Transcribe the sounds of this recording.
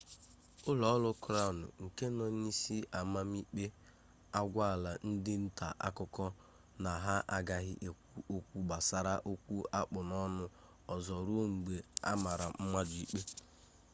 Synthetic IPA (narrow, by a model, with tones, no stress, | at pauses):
ʊ˦lɔ˨˦lʊ˦kʊ˦ɾa˦˨nʊ̰˨ŋ̩˨ke˦nɔ˨n˦i˦si˦ʔa˨ma˦m˦i˦k͡pe˦ | a˦ɡʷa˦a˨la˨n̩˦dɪ˦n̩˦ta̰˨ʔa̰˦kʊ˦kɔ˦ | na˨ɦa˦ʔa˨ɡa˨ɦɪ˦ʔe˨k̚ʷu˦ʔo˨kʷu˦ɡ͡ba˨sa˨ɾa˦ʔo˦kʷu˦a˦k͡pʊ˨nɔ˦nʊ˦ | ɔ˨zɔ˨ɾu˦ŋ͡m̩˨ɡ͡be˨a̰˦ma˨ɾa˨m̩˦ma˦d͡ʒi˦k͡pe˦